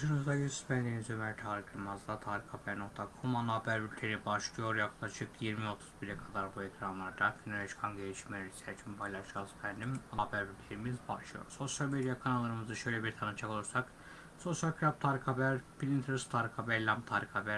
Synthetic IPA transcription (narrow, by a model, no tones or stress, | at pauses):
ʃɯnɯzd̪ajyzspænd̪imizømæɾt̪ʰaːɾɯkʰɯɾmazd̪ˠat̪ʰaːɾikʰabæɾno̞k̚t̪ʰakʰomanaːbæɾbylʲt̪ʰe̞ɾibaʃlˠɯjo̞ɾjaklˠaʃɯkʰjiɾmio̞t̪ʰu̥zbiɾɛkʰad̪aɾbuecʰɾanlˠaɾd̪aɡyneɾeʃkʰanɟelʲiʃmelʲeɾisæɾt͡ʃʰympʰajlˠaʃasbʰænd̪imnabæɾbylʲt̪ʰeɾimizba̰ʃlˠɯjo̰ɾso̞sjalʲmed̪ijakʰanalˠːaɾɯmɯzɯʃøjlʲɛbiɾt̪ʰanɯt͡ʃʰakʰolˠuɾsak | so̞sjalʲkʰɾap̚t̪ʰaːɾikʰabæɾpilʲint̪ʰɯɾst̪ʰaɾikʰabɛlʲamt̪ʰaːɾikʰabæɾ